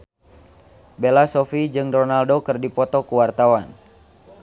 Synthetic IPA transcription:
belasɔfid͡ʒɨŋdɔnaldokɨrdipɔt̪ɔkuwart̪awan

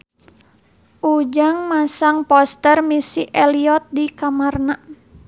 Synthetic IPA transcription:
ʔud͡ʒaŋmasaŋpɔst̪ərmisiʔɛliɔt̪̚dikamarna

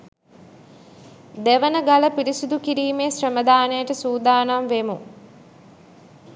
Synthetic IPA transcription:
d̪eʋənəɡaləpiɾisud̪ukiɾiːmeːsrəməd̪aːnəjəʈəsuːd̪aːnamʋemu

